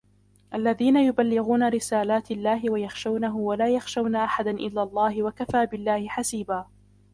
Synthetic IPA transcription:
ʔalːaðiːnajʊbalːɪɣuːnaɾɪsaːlaːt̪alːaːɦɪwajaxʃawnaɦʊwalaːjaxʃawnaʔaħad̪anʔɪ̰lːaːlˤːɑːhɪwakafaːbɪlːaːhɪħasiːbaː

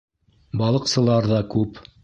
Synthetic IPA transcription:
bɑlˠɤ̆qsɤ̆lˠɑɾðɑkʉp

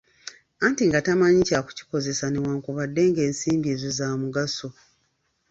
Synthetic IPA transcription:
antiŋɡatamaɲicaku̥ci̥ko̞ze̞sanewaːŋkuβadːe̞ːŋɡe̞ːnsiːmbie̞ːzo̞zaːmuɡaso̞

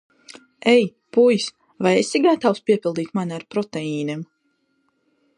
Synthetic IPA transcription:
ɛj | pujs | vajesiɡat̪awspʲiɛpʲilˠd̪iːt̪manʲiaɾpɾɔt̪eiːnɛm

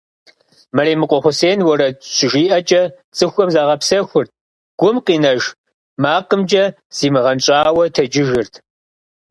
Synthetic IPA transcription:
mɐreːmɨqʷʼɔχʷʊseːnwɐɾɐɕʰʷɪʒiːʔɐt͡ʃʼɐ | t͡sʼɨxʷɔmzaːʁɐpsɐxʷʊrt̚ʰ | ɡ̥ʷʊmqiːnɐʒ | maːqəmd͡ʒɐ | z̥iːmɨʁɐnt͡ʃʼaːwɐtʰɐd͡ʒɪʒɪrtʰ

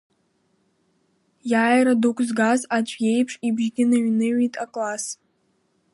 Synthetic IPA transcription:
jaːjɾadukʷʰʼzɡazat͡ʃʷʰʼje̞jpʰʂʼibʒɡʲɪnaɥnɨɥitʼakʼlas

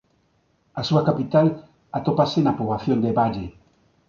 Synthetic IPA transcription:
asuakapit̪al | at̪opasenapoβlaθjond̪eβaʎe

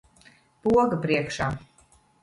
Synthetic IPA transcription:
puɔɡəpɾiɛkʃaː

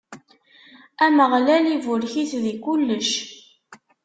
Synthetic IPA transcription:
æməʁlælivʊɾçiθðikulːəʃ

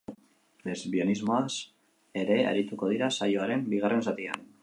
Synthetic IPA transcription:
le̞zβio̞nizmo̞as | e̞ɾe̞a̰ɾit̪uko̞ð̞iɾasajoaɾe̞mbiɣare̞nsat̪ia̰n

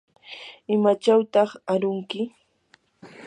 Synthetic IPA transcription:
ɪmat͡ʃawt̪ɑχaɾʊŋkɪ

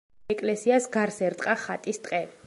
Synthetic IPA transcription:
ɛkʼlɛsiasɡaɾsɛɾt̪ʼqʼaχat̪ʼist̪ʼqʼɛ

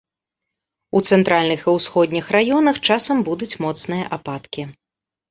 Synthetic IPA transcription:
ut̪sɛnt̪ɾalʲnɨxiwsxɔd̪ʲnʲixrajɔnɐxt͡ʂasɐmbud̪ut͡sʲmɔt̪snɨjɐʔapat̪kʲi

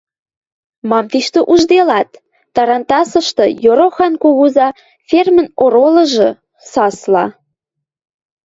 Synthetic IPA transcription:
mɑmt̪iʃt̪ə̆ʔuʒd̪elɑt̪ː | ɑɾɑnt̪ɑsɤ̆ʃt̪ɤ̆joɾoxɑnkuɣuzɑ | fʲermə̆noɾolɤ̆ʒɤ̆ | sɑslɑ̰

